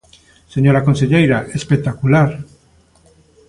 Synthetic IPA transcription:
se̞ɲo̞ɾako̞nse̞ʎejɾaʔe̞spek̚t̪akulaɾ

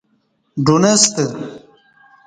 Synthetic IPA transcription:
ɖunest̪ə

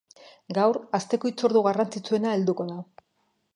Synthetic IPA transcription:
ɡawɾast̪e̞ko̞it͡soɾðuɣarant͡sit͡sue̞nae̞ld̪uko̞ða

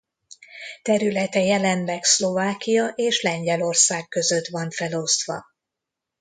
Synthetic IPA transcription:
t̪ɛɾylɛt̪ɛjɛlɛnlɛkslo̞vaːkijɒʔeːʃlɛɲɟɛlo̞rsaːkːø̞zø̞t̪vɒɱfɛlo̞st̪ʋɒ̰

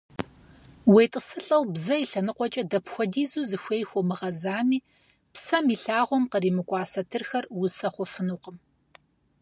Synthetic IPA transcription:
wejtʼəsɨɬʼɐwbzɐiɬɐnɨqʷɔt͡ʃʼɐdɐpxʷɔdiːzuːzɨxʷejxʷɔmɨʁɐzaːmiː | psɐmiːɬaːʁʷɔmqəriːmɨkʷʼɑːsɐtʰɨrxɐrwʊsɐχʷɔfɨnuːqəm

